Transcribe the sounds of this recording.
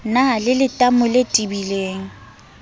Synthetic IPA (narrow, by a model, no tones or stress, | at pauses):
nalɪlɪtʼamʊletʼibileːŋ̩